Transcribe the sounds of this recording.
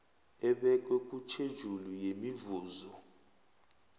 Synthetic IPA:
ɛɓɛk̬ʼɛk̬ʼut͡ʃʰed̥ʒ̥ʱulujemivuːzɔ

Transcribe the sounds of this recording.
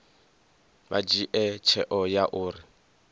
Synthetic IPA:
bad͡ʒiʔɛt͡ʃʰɛʔɔjaʔʊːrɪ

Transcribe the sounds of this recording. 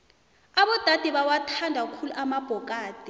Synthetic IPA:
aɓɔd̥ʱad̥ʱɛɓawatʰandʱak̬ukʰuluʔamab̥ʱɔk̬ʼaːd̥ʱɛ

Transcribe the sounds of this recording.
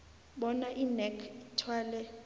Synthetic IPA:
ɓɔnaʔinɛkʰitʰwaːlɛ

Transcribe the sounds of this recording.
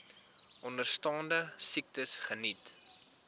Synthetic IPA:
ʔɔndərstɑːndəsik̚təsχənit

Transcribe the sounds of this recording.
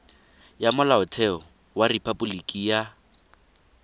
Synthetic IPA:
jamʊlaʊtʰɛɔ | waripʰabulikʼija

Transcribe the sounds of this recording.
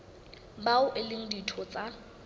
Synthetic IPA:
baʊʔɪlɪŋ̩ditʰɔt͡sʼa

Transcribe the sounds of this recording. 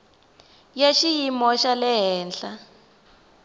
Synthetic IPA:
jeʃijimɔʃalɛɦɛːnɬa

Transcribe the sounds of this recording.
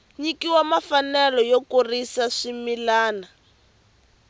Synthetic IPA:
ɲikiwamafanɛlɔjokurisaʂimilaːna

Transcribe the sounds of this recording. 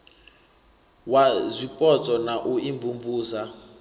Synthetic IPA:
wazʷipʼɔt͡sʼɔnaʔuiɱvuɱvuːsa

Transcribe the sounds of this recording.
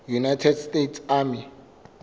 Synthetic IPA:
junajtʰɛdstʼetsami

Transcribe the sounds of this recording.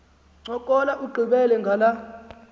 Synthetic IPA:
ŋ͡ǀɔkʼɔlaʔuɡ͡ǃʱiɓɛlɛŋɡʱala

